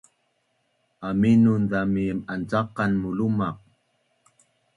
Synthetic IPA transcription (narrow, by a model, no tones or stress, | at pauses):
aminunðamiəmant͡saqanmulumaq̚